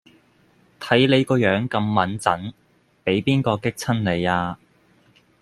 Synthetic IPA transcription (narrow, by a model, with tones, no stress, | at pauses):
t̪ʰɐ˨˥jle˨˧jkɔː˧jœː˨˥ŋkɐ˧mːɐ˨˥nt͡sɐ˨˥n | pe˨˥jpiː˥nkɔː˧kɪ˥k̚t͡sʰɐ˥nle˨˧jaː˧